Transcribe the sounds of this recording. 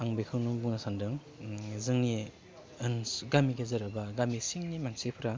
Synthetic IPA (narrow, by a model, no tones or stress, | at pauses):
aŋbekʰɯwnubuŋnasandɯŋ | zɯŋni | ɯnɡamiɡezɐɾabaɡamisiŋnimaŋsepʰɯɾa